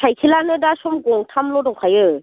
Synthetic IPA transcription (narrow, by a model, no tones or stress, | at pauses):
sʰajkʰilanɯdasɔmɡɔŋtʰamlɔdɔŋkʰajɯ